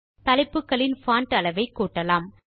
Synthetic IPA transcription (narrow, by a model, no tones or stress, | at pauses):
t̪ɐlɪpːɯkːɐɭɪnfaːɳʈɐlɐʋɐɪkːuːʈːɐlaːm